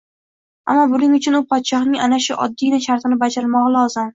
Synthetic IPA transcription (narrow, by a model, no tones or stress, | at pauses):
a̰mːɒbʊnɪŋʊt͡ʃʰʊnʊpʰɒt̪ʃɒhnɪŋanaʃʊʔɒ̰d̪ːinaʃaɾt̪ʰɪnɪbad͡ʒaɾɪlmɒʁɑlˠɒzɪm